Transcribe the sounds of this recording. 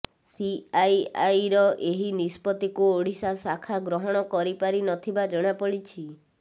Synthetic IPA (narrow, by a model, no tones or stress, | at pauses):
siajajɾɔʔeɦinispɔt̪ikuoɽ̤isasakʰaɡɾɔɦɔɽ̃ɔkɔɾipaɾinɔt̪ʰibad͡ʒɔɽ̃apɔɽit͡ʃʰi